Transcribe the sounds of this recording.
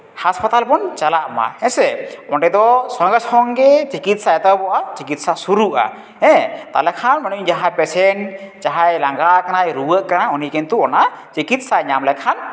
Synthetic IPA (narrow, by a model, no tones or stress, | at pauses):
haspat̪alpɔnt͡ʃalaʔma̰hɛ̃sɛɔnʈɛd̪ɔsɔŋɡəshɔŋɡɛt͡ʃikit̪̚saɛt̪awbɔʔat͡ʃikit̪̚sasuɾuʔa̰ | ɛ̃t̪a̰lɛkʰanmanud͡ʒaɦãjpɛsɛnd͡ʒaɦajlaŋɡakanajɾuwəʔkanaɔnikɛnt̪uɔnat͡ʃikit̪̚saɲamlɛkʰan